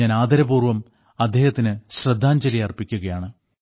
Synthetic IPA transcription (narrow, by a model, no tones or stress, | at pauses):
aːnaːd̪ʱɐɾɐbuːrʋɐm | ɐd̪ʱːeːhɐt̪ːinɨɕrɐd̪ʱːaːɲd͡ʑɐlijɐrpikʲːuɣɐjaːɳɨ